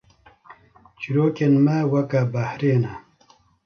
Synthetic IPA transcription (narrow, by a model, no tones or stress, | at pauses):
t͡ɕiɾoːkenmawɐkabahɾeːna